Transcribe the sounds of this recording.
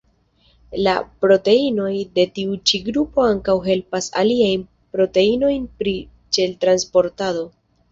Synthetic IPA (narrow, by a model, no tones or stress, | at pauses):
la̰pɾo̞te̞ino̞jde̞tiut͡ʃiɡɾupo̞aŋkawɦe̞lpasa̰liajn | pɾo̞te̞ino̞jnpɾi | t͡ʃe̞ltɾanspo̞ɾtado̞